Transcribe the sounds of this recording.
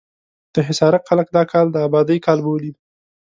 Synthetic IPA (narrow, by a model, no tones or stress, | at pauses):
d̪̥əɦɪsɑɾat̪xalək̚d̪ɑkʰɑld̪əabɑd̪əjkɑlbowlid̪i